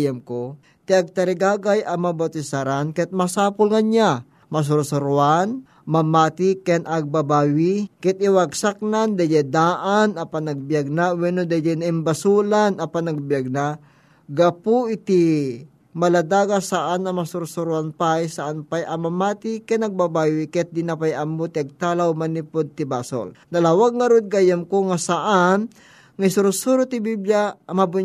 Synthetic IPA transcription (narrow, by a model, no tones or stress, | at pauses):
jamko | t̪iɐɡ̚t̪ɐɾɪɡaːɡajʔɐmɐbawt̪ɪsaɾankɛt̪̚mɐsaːpʊlŋɐɲa | mɐs̬ʊɾsʊɾʊan | mɐmaːt̪ikɛnʔɐɡ̚babaːwikɛt̪̚ɪwaɡsak̚nand̪ɐjɛd̪aːʔanɐpanɐɡ̚bijaɡ̚nawɛnod̪ad͡ʒɛnɐɪmbɐsulanɐpanɐɡ̚bjaɡ̚na | ɡapʊɪt̪i | mɐlad̪aːɡasaʔanɐmasʊɾʊsʊɾuanpajsaʔanpajʔɐmɐmaːt̪ikanɐɡ̚babajokɛt̪̚d̪inapajɐmot̪ɪɐɡ̚t̪alawmanipod̪̚t̪ɪbaso̰ld̪ɐlawaɡ̚ŋɐɾod̪̚ɡajamkoŋasaʔan | ŋajsʊɾʊsuɾʊt̪ɪbibljamabʊ